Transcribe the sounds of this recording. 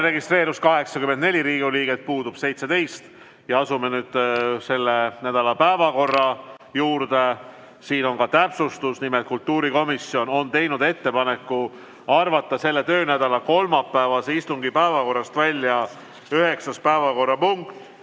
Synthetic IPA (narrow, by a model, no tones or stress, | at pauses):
re̞ɡist̪re̞ːɾuskɑɦe̞ksɑkymːend̪ne̞lʲiɾiːɡuliːɡet̪̚puːd̪ub̥se̞jt̪se̞t̪e̞jst̪ | jɑɑsume̞nyːd̪̥se̞lːenæd̪̥ɑlɑpæevɑko̞rːɑ | juːɾd̪e̞ | siːno̞nkɑt̪æpsust̪usnimet̪̚kult̪ːuːɾiko̞misio̞no̞nt̪e̞jnud̪e̞t̪ːe̞pɑne̞kːˑu | ɑrvɑt̪ːˑɑse̞lːe̞t̪ø̞ːnæd̪ɑlɑko̞lmɑpːæevɑseist̪uŋɡipæevɑko̞rːɑst̪vælʲjɑ | yɦe̞ksɑspæevɑko̞rːɑpuŋkt̪ːˑ